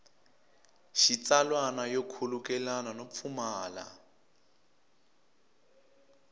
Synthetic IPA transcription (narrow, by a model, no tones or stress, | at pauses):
ʃit͡salwanajokʰulukɛlananop̪fʰumaːla̰